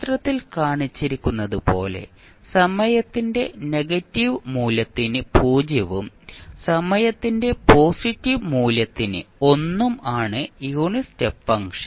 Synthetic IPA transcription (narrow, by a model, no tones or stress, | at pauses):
t̪rɐt̪ːilkaːɳit͡ɕːiɾikʲːunːɐðɨpo̞̰ːle̞̰ | sɐmɐjɐt̪ːinde̞ne̞ɡɐtːiʋmuːlɐt̪ːinɨpuːd͡ʑjɐʋum | sɐmɐjɐt̪ːinde̞po̞ːsitːiʋmuːlɐt̪ːinɨ̰o̞nːumaːɳɨjuːɳistɨfɐŋʂɐ̥n